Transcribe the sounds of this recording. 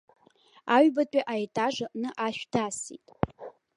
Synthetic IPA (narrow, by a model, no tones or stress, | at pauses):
aɥbatʷʼaʔajtʼaʐɨʔnɨʔaʃᶣdasḭtʼ